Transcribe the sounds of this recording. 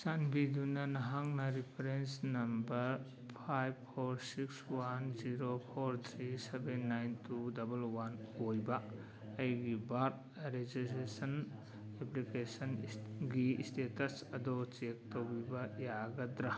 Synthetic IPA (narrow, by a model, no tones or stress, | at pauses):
sanbidunɐnɐɦaŋnɐɾipʰeɾensnɐmbɐɾ | pʰajb̚pʰoɾsikswanziɾopʰoɾt̪ʰɾisebenːajntudɐbɐlwanojbɐː | jɡibaɾt | ɾed͡ʒisɾesɐn | eplikesɐnɡiḭstetɐsɐdɔt͡ʃek̚towbibɐjaɡɐtɾa